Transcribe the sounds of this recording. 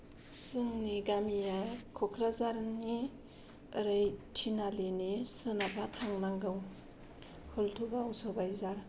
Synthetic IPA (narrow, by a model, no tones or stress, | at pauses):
sɯŋniɡamijakʰɔkʰɾazaɾni | ɯɾajtʰinalenisɯnabʰatʰaŋnaŋɡɯw | hɯltʰubawsobajzaɾ